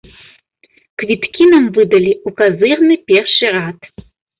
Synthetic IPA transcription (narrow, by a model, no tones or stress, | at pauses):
kʰvitʰkʰʲinɐmvɨdɐliukʰɐzɨʁnɨpʲerʃiraːtʰ